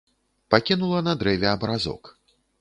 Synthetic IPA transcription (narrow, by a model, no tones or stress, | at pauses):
pakʲinulˠɐnɐd̪ɾɛvʲɛabɾazɔ̰k